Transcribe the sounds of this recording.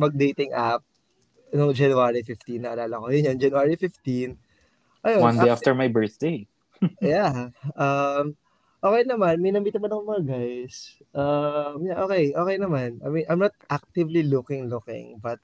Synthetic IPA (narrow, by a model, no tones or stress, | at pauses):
mɐɡ̚d̪ejt̪ɪŋʔap̚ | nʊŋd͡ʒɛnʊaɹifɪft̪inːɐʔɐlaːlɐko̞jʊnjond͡ʒɛnʊaɹifɪft̪in | ʔɐjowandejaft̪ɛɹmajbɛɹθd̪ej | jaʔɐm | ʔoːkɛjnɐmanmɐjnɐmiːt̪ɐmɐnɐkoʊmɐŋɐɡajs | ʔɐmjaʔo̞ːkɛjʔo̞ːkɛjnɐmanʔɐ̰jmĩnʔɐjmnɐt̪̚ʔak̚t̪ɪvlilʊkɪŋlʊkɪ̰̃ŋbɐt̪̚